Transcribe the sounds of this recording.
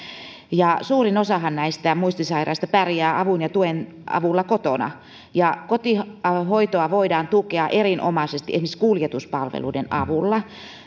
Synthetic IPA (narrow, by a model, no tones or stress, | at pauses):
jɑsuːrinosɑhɑnnæist̪æmuist̪isɑirɑ̰ist̪ɑpærjæːʔɑʋunjɑt̪uen | ɑ̰ʋulːɑkot̪onɑ̰ | jɑkot̪ihoit̪oɑʋoidɑːnt̪ukeɑʔerinʔo̰mɑˑsest̪iʔesmisiskuːljet̪uspɑlʋḛlṵidenɑʋulːɑ